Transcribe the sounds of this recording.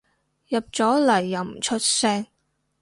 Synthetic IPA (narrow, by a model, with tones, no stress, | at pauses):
jɐ˨p̚t͡sɔː˨˥lɐ˨˩jːɐ˨˩wm̩˨t͡ʃʰɵ˥t̚sɛː˥ŋ